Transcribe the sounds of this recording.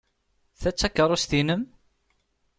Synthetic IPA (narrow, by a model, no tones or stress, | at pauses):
θæt͡sːækːəɾˤust̪inəm